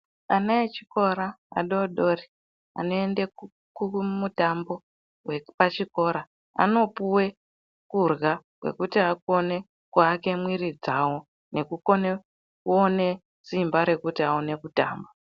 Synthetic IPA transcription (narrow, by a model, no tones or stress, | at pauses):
anaet͡ʃiko̞ɾaa̰ɗo̞ɗo̞ːri | a̰noende | kumutambo̞ | wepat͡ʃiko̞ɾa | a̰no̞puwe̞ | kurɣakwe̞̰kutiako̞ne̞ | kuake̞mwiɾid͡zawo̞ | ne̞kukon | kuone̞ | simbaɾe̞kutiaone̞kuta̰ːmbo